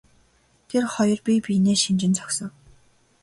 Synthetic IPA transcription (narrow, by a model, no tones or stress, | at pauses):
t̪ʰerχɔjɞ̆rpʲipʲineːʃint͡ɕɪ̆nt͡sʰɔ̥ksɞ̆ŋ